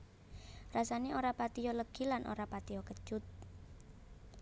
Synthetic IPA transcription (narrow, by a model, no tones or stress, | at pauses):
rasaneoɾapat̪ijɔləɡ̥ilanʔo̰ɾapat̪ijɔkə̥ʒ̥ʊt̪̚